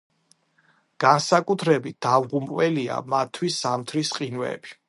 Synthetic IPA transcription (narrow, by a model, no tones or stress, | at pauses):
ɡ̥ansakʼut̪ʰɾɛbit̪̚d̪avʁumpʼwɛlia̰mat̪ʰːwisːamt̪ʰɾisqʼinwɛ̰b̥i̥